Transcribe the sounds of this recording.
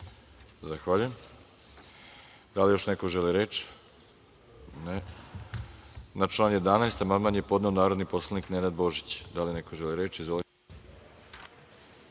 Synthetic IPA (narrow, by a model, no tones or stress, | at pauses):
zaxʋaʎujem | d̪alijo̞ʃnekoʒeliɾeːt͡ʃ | ne | nat͡ʃlˠaːnje̞d̪anaest̪amanmanjepo̞d̪neonaːɾo̞d̪nipo̞slˠaniknenad̪bo̞ʒit͡ɕd̪alinekoʒeliɾeːt͡ʃizʋoli